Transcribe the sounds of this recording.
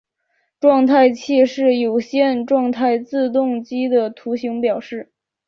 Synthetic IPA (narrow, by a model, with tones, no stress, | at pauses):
ʈ͡ʂwɑ˥˧ŋt̪ʰa˥˧ɪt͡ɕʰi˥˧ʂɻ̩˥˩jo˨˩ʊɕjɛ˥˧nʈ͡ʂwɑ˥˧ŋt̪ʰa˥˧ɪt͡sɹ̩˥˧t̪ʊ˥˧ŋt͡ɕi˥d̪ə˨t̪ʰu˧˥ɕi˧˥ŋpjɑ˨˩ʊʂɻ̩˥˩